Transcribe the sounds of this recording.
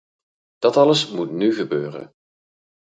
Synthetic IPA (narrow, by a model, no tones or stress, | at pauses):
d̥ɑtɑləsmutnyχəbøːrə̰n